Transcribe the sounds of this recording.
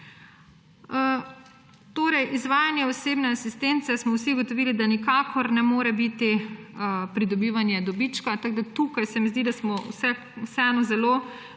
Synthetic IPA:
t̪oːɾɛjʔizʋaːjanjɛɔseːbnɛasist̪ent̪sɛsmɔwsiuɡot̪ɔʋiːlid̪anikaːkʰɔɾnɛmoːɾɛbit̪i | pɾid̪ɔbiːʋanjɛd̪ɔbit͡ʃkat̪aɡ̚d̪at̪ukajsɛmizd̪id̪asmɔwsɛ | wsɛɛːnɔzɛlo

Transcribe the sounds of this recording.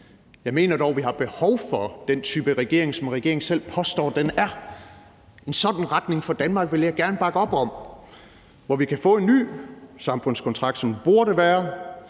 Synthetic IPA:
jɑ̈ɪme̝̰ːnɐd̥ɒʊʋiɦɑ̈b̥e̝hɒʊ̰fɒ̽d̥ent͡sʰyːb̥əʁɛɡ̥e̝ɐ̰e̝ŋsɒ̽mʁɛɡ̥e̝ɐe̝ŋsel̰pʰɒ̽sd̥ɒ̰ːd̥enæɐ | e̝nsɒ̽d̥n̩ʁɑd̥ne̝ŋfɒ̽d̥ænmɑ̈ːɡ̥ʋe̝ljɑ̈ɪɡ̥æɐnəb̥ɑ̈ɡ̥əɒ̽b̥ɒ̽m | ʋɒʋikʰæfɔ̰̽ːe̝nːy̰ːsɑ̈mfɔ̽n̰skʰɒ̽nt͡sʰʁɑ̈ɡ̥d̥sɒ̽mb̥uɐɾəʋæːɐ

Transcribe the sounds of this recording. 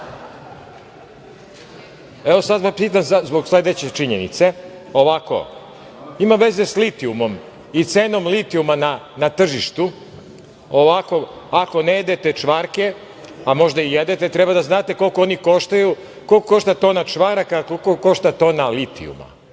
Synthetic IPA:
eʋo̞sad̪ʋapiːt̪amzazbo̞ɡslˠed̪et͡ɕet͡ʃiɲenḭt̪se̞ | o̞ʋako̞̰ | imaʋeze̞slit̪iumo̞m | it̪seːno̞mlit̪iumananat̪r̩ʒiʃt̪u | oʋako̞ | ako̞nejed̪et̪et͡ʂʋaɾke̞ | amo̞ʒd̪aijed̪et̪et̪ɾɛbad̪aznaːt̪e̞ko̞lˠkooniko̞ʃt̪aju | ko̞lkoko̞ʃt̪at̪o̞nat͡ʂʋaɾakakokoko̞ʃt̪at̪oːnalit̪ḭṵma̰

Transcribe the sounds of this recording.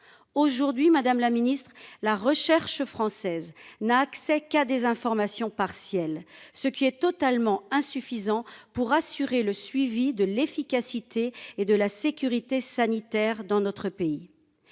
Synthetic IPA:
oʒuʁd̪ɥimad̪amlaminist̪χlaʁəʃɛʁʃəfχɑ̃sɛznaːksɛkad̪ezɛ̃fɔʁmasjɔ̃paʁsjɛlsəkʲiɛt̪ɔt̪almɑ̃ɛ̃syfizɑ̃puʁasyʁeləsɥivid̪əlefikʲasit̪ʰeːd̪əlasekʲyʁit̪esanit̪ɛʁd̪ɑ̃nɔt̪χəpei

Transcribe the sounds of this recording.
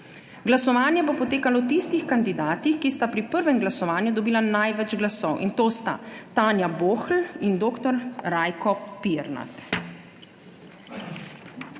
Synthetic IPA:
ɡlasɔʋaːnjɛbopɔt̪eːkalɔt̪ist̪ixkand̪id̪aːt̪ixkist̪apɾipəɾʋɛmɡlasɔʋaːnjud̪ɔbiːlanajʋɛd͡ʒɡlasɔwʔint̪oːst̪a̰t̪aːnjaboːxlind̪oːkt̪ɔɾɾajkɔpiɛɾna̰t̪

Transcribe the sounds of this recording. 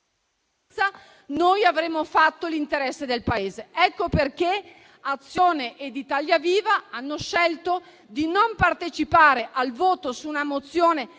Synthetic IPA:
a | nojavɾemːofat̪ːolint̪eɾɛsːed̪elpaeːzeɛkːoperk̟e | at̪sːjoːneʔed̪it̪aljaviːvaanːoʃɛlt̪o | d̪inompart̪et͡ʃipaːɾeʔalvoːt̪osuːnamot̪sːjoːne

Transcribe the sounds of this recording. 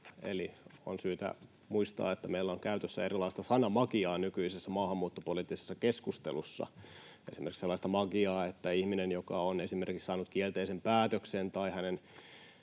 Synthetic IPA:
ḛlio̰nsyːt̪æ̰ | muist̪ɑ̰ːet̪ːæmeilːæoŋkæyt̪øsːæ̰eɾilɑist̪ɑsɑnɑmɑkiɑːnykyisesːæmɑːhɑmːuːt̪ːopolit̪ːise̥sːɑkeskust̪elusːɑ̰ | esimerkikselːɑˑist̪ɑmɑɡiɑːet̪ːæihminenjokɑonesimerkiksɑːnut̪kielt̪eisempæːt̪øksent̪ɑihænen

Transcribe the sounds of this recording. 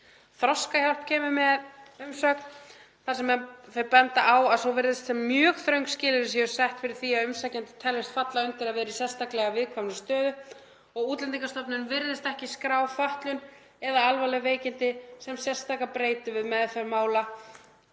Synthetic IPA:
θɾɔskaçal̥p̚cʰɛːmʏmɛðʏmsœːkn | θaɾ̥sɛmɛfɛɾpɛnt̪aʔawaðsowvɪɾðɪst̪sɛmːjœːɣθɾœɥŋkscɪːlɪðɪsjɛʏɾ̥sajht̪fɪɾɪɾ̥θiaðʏmsacant̪ɪ̥t̪ʰɛlvɪst̪fat̪laʏnt̪ɪɾaðvɛːɾɪisjɛ̥st̪aklɛɣavɪðkʰvamnʏst̪œːðʏ | ɔɣuːt̪lɛnt̪iŋkast̪ɔpnʏnvɪɾðɪst̪ɛhcɪskɾaːwfaht̪lʏn | ɛðaalvalɛveːjcɪnt̪ɪsɛmsjɛ̥st̪akapɾeːjt̪ʏvɪðmɛðθɛɾmaːwla

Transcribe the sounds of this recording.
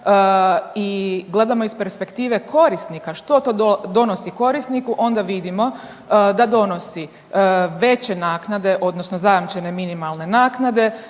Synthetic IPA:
iɡle̞d̪amo̞ispe̞ɾspe̞kt̪iːʋe̞kʰo̞ɾist̪nikaʃt̪o̞t̪od̪od̪o̞nosiko̞ɾist̪nikuʔo̞nd̪aʋid̪imo̞ | d̪ad̪o̞no̞si | ʋe̞t͡ɕe̞naːknad̪e̞ʔo̞d̪nosnozajamt͡ʃe̞ne̞minimalˠne̞naːknad̪e̞

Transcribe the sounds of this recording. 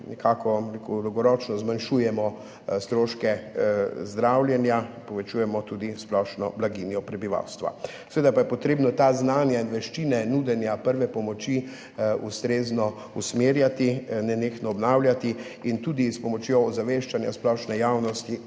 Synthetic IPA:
nɛkʰakɔekud̪ɔwɡɔɾɔt͡ʃnɔzmanʃujɛmɔ | st̪ɾoːʃkɛ | zd̪ɾawljɛnjapɔʋɛt͡ʃujɛmɔt̪ud̪isplɔʃnɔ̰blaɡinjɔpɾɛbiʋa̰wst̪ʋa̰ | sɛʋeːd̪apajɛpɔt̪ɾeːbnɔt̪aznaːnjainʋɛʃt͡ʃinɛnud̪ɛnjapəɾʋɛpɔmɔt͡ʃi | ṵst̪ɾeːznɔ | usmeːɾjat̪inɛnexnɔːbnawlʲjat̪iint̪ud̪ispɔmɔt͡ʃjoːzaʋeʃt͡ʃanjasplɔʃnɛjawnɔst̪i

